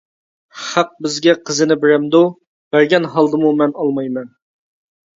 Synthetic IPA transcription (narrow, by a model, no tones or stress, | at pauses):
χɑq̚bɪzɡʲɛqʰəzɨnɪbɪɾɛmd̪u | b̥æɾɡʲɛnɦɑlˠd̪ɨmumɛnɑlˠmɑjmɛn